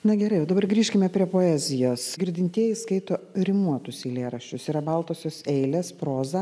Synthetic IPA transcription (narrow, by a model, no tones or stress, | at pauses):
nɐɡʲɛɾɐɪoːd̪ɐbɐrɡɾʲiːʃʲkʲɪmʲɛpʲɾʲiɛpoːæːzʲɪjoːsɡʲɪɾʲd̪ʲɪnʲt̪ʲiɛjɪskɐɪt̪oːɾʲɪmuɔt̪ʊsɪlʲeːɾɐʃʲt͡ʃʲʊsiɾɐbɐlˠt̪oːsʲoːsɛɪlʲeːspɾoːzɐ